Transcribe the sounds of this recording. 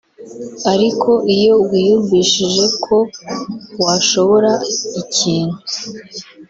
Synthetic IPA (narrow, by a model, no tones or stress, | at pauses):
aɾikʰo̞ʔijo̞wijuɾɡiːʃiʒe̞kʰo̞ | waʃo̞βo̞ɾaiciːn̥hu